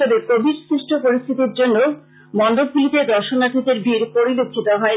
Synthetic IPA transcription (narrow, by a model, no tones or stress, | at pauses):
t̪ɔbekobʱiɾsɾiʃʈʰopoɾist̪ʰit̪iɾd͡ʑonːo | mɔnɖob̚ɡulit̪ed̪ʱɔɾʃonat̪ʰid̪eɾbʱiɾpoɾilokʰːit̪oɦɔe